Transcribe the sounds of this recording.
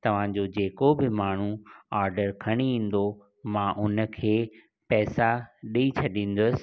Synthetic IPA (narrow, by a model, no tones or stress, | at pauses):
t̪ɐʋ̤ãd͡ʑoːd͡ʑeːkobɪmaːɳ̤ũaːɾɖəɾkʰɐɽ̃iĩːn̆d̪o | mãʔʊnə̆kʰeː | pɛːsaɗiit͡ɕʰɐɗĩːn̆d̪ʊsɪ̥̆